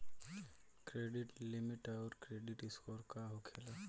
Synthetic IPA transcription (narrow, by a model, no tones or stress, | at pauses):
kɾeːɖɪʈlimɪʈaɔɾkɾeːɖɪʈɪskɔːɾkaɦokʰela